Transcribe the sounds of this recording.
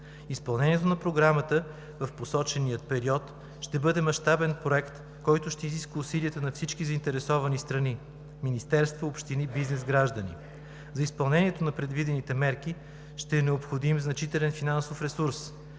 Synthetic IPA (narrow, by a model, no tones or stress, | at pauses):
ispɐlˠnɛniɛt̪onɐpɾoɡɾamət̪ə | vɐfposɔt͡ʃɛnijət̪pɛɾiɔt̪ | ʃt̪ɛbɤd̪ɛmɐʃt̪abɛnpɾoɛkt̪ | kɔjt̪ʊʃt̪ɛiziskvəusiliət̪ənɐfsit͡ʃkizəint̪ɛɾɛsɔvɐnist̪ɾɐni | minist̪ɛɾst̪voopʃt̪inibiznɛzɡɾaʒd̪ənḭ | zɐispɐlˠnɛniɛt̪onɐpɾɛd̪vid̪ɛnit̪ɛmɛɾki | ʃt̪ɛːnɛopxod̪imznɐt͡ʃit̪ɛlɛnfinansofɾɛsuɾs